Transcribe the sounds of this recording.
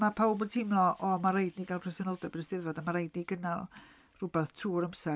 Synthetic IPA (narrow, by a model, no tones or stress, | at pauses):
mapʰawbod̚tʰɪmlˠɔʔɔmaɾejdniɡalˠpʰrɛsɛnəlˠdɛbənəstɪðvɔdəmaɾejdniɡənalˠ | r̥ʊbɛθtʰuːɾəmsɛ